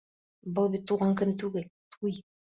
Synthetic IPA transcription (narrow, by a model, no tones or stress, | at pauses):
bɤlˠbit̪ːuʁɑŋkɘ̆mt̪ʉɡɘlt̪ʰuj